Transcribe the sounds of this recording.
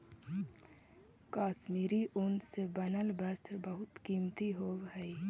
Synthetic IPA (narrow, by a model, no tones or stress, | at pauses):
kaːʃmiːɾiʔʊnsebənəlbəsʈʰəɾbəɦʊt̪kiːmt̪iɦoːwɦɛi